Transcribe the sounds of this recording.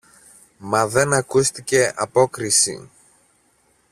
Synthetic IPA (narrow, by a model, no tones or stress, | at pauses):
mɐðe̞nɐkust̪ice̞ʔɐpo̞kɾisḭ